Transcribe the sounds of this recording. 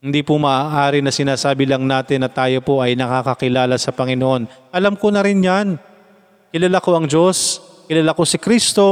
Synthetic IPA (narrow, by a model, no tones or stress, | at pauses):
hɪnd̪ipʊmɐʔaːʔaːɾɪnɐsɪnaːsaːbɪlɐŋnaːt̪ɪnːɐt̪aːjo̞po̞ʔɐjnɐkakɐkɪlaːlɐsɐpɐŋɪnoʔo̞nʔɐlamkonɐɾɪnjan | kɪlɐlako̞ʔɐŋd͡ʒo̞s | kɪlɐlako̞sɪkɾist̪o̞